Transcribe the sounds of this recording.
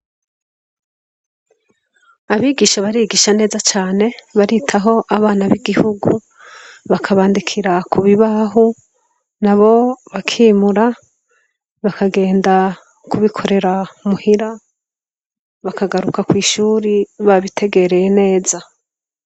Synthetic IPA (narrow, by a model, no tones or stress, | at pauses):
aβiːɡiːʃaβaɾiːɡiːʃane̞ːzat͡ʃaːne̞βaɾitʰaɦo̞ʔaβaːnaβiɡihuɡu | βakʰaβaːndikʰiɾakuβiβaɦu | naβo̞βakʰiːmuɾa | βakʰaɡe̞ːnda | kuβikʰo̞ɾe̞ɾaumuhiɾa | βakaɡaɾukakwiːʃuːɾiβaβitʰe̞ɡe̞ɾe̞jene̞ːza